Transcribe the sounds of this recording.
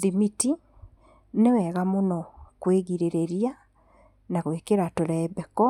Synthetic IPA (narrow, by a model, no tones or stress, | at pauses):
ðimiti | newɛɣamonɔkweɣiɾeɾeɾia | naɣwekeɾatoɾɛɛbɛkɔ